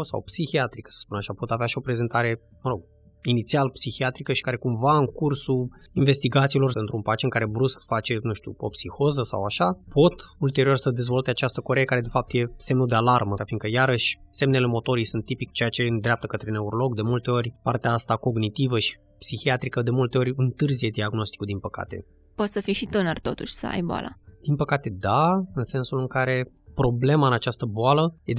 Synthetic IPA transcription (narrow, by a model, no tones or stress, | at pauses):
sa̰wpsixiat̪ɾikə̥sə̥spunaʃapo̞t̪aveaʃio̞pɾe̞ze̞nt̪ʰaɾe̞ | məɾo̞ɡ̚ | init̪sialpsixiat̪ɾikəʃi̥kaɾe̞kumvaɨŋkursuiɱve̞st̪iɡat̪silo̞rent̪ɾumpat͡ʃeŋkaɾe̞bɾuskfat͡ʃe̞nuʃt̪ṵo̞̰psixo̞zəsa̰waʃapo̞t̪ult̪e̞ɾio̞rsəd̪e̞zvo̞lt̪e̞at͡ʃast̪əko̞ɾejəkaɾe̞d̪efap̚t̪je̞se̞mnud̪e̞alarməafiŋkəjaɾəʃʲse̞mne̞le̞mo̞t̪o̞ɾijsunt̪ːipikt͡ʃe̞jat͡ʃe̞ɨnd̪ɾʲap̚t̪əkət̪ɾe̞ne̞uɾo̞lo̞ɡd̪e̞mult̪e̞o̞rʲpart̪eaast̪ako̞ɡnit̪ivəʃi̥ | psixiat̪ɾikəd̪e̞mult̪e̞o̞ɾʲɨnt̪ɨrzije̞d̪iaɡno̞st̪i̥kud̪inpəka̰t̪e̞̰ | pot̪səfijʃit̪ɨnərt̪o̞̰t̪uʃʲsə̰a̰jboa̰la̰d̪̥inpəkat̪e̞d̪aɨnse̞nsulɨŋkaɾe̞ | pɾo̞ble̞maɨnat͡ʃast̪əboaləje